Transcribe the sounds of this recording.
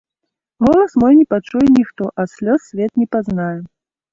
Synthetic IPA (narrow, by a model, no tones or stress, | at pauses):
ɣɔlˠɐsmɔjnʲɛpat͡ʂujɛnʲixt̪ɔʔɐsʲlʲɔsʲsʲvʲɛt̪nʲɛpaznajɛ